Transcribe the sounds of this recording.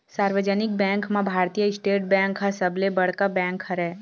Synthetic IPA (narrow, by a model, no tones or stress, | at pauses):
saːɾwəd͡ʒənɪk̚bɛ̃ːŋkmãbʱaːɾt̪ijəɪsʈeːʈ̚bɛ̃ːŋkɦasəblebɐɽ̤kabɛ̃ːŋkhɐɾɛː